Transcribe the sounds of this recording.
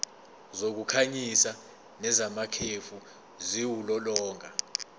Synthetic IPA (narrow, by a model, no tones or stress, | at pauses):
zok̬ukʰaɲisa | nɛzamakʰefu | ziwulɔlɔːŋʱa